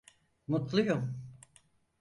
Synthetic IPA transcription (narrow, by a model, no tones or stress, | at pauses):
mut̪lˠujum